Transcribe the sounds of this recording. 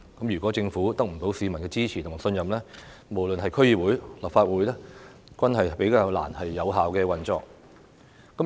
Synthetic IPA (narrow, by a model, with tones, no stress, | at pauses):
kɐ˨˥mjyː˨˩kʷɔː˨˥t͡sɪ˧ŋfuː˨˥t̪ɐ˥k̚m̩˨˩po˨˥wsiː˨˧mɐ˨˩nkɛː˧t͡siː˥t͡sʰiː˨˩ʊ˨˩maː˨˩sɵ˧njɐ˨mlɛː˥ | mo˨˩wlɵ˨nɦɐ˨jkʰɵ˥ɥjiː˨wuː˨˥jlɐ˨p̚faː˧t̚wuː˨˥jlɛː˥kʷɐ˥nɦɐ˨jpe˨˥jkaː˧wla̰ː˨˩nhɐ˨jːɐ˨˧wɦaː˨wkɛː˧wɐ˨nt͡sɔ̰ː˧k̚ | kɐ˨˥